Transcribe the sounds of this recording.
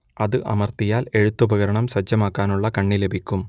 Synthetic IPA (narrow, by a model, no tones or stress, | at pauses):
ɐðɨʔɐ̰mɐrt̪ijaːle̞ɻut̪ːubʱɐɣɐɾɐɳɐmsɐd͡ʑːɐmaːkːaːnuɭːɐkɐɳːile̞bʱikʲːum